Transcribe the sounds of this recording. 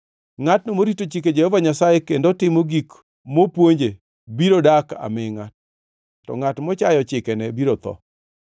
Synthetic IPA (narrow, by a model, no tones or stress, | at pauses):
ŋatnomoɾitot͡ʃik̬ed͡ʒehɔvaɲasajekendotɪmoɡik | mopwoɲd͡ʒe | biɾodaka̰mɪŋa | tːɔ̰ŋatmɔt͡ʃajɔt͡ʃɪkɛnɛbiɾot̪ɔ̰